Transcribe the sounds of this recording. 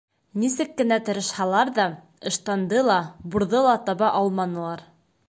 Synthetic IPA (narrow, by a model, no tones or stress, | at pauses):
nisɘkːɘ̆næt̪ɤ̆ɾɤ̆ʃhɑlˠɑɾðɑ | ɤ̆ʃt̪ɑnd̪ɤlˠɑbuɾðɤlˠɑt̪ɑβɑʔɑlˠmɑnɤ̆lˠɑɾ